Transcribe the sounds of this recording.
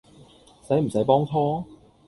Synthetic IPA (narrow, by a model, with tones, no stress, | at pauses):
sɐ˨˥jm̩˨˩sɐ˨˥jpɔː˥ŋtʰɔː˥